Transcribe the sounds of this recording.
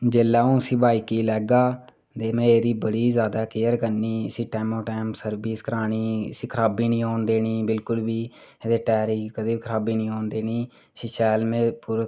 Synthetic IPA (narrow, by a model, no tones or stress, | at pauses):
d͡ʒeːlːaːũːəsĩːbaːiːkiːlɛːɡaː | t̪eːmɛ̃ːeːɾiːbəɽiːzjaːd̪aːkɪjəɾkəniːəsĩːʈɛːmoːʈɛːmsəɾbiːskəɾaːɽ̃iːə̰sĩːkʰəɾaːbiːnĩːɦoːnd̪eːniːbɪlkʊlbiː | d̪eːʈɛːɾiːkəd̪iːbikʰəɾaːbiːnĩːɦoːnd̪eːniː | əsĩːʃɛːlmẽːpuːɾ